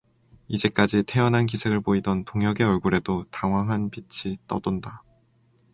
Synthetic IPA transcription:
id͡ʑe̞k͈ad͡ʑitʰe̞ʌnɦank̬isʰeɡɯɭpoidʌntoŋɦjʌɡe̞ʌɭɡuɾe̞dotaŋwaŋɦanpit͡ɕʰit͈ʌ̰dʌnda

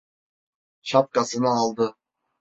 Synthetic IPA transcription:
ʃɑp̚kɑsɯnɑːlˠd̪ɯ

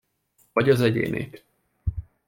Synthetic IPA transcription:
ɒɟɒzɛɟḛːnḛːt̪

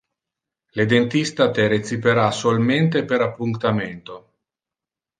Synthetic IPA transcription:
led̪ent̪ist̪at̪eɾet͡sipeɾasolment̪epeɾapːuŋt̪ament̪o

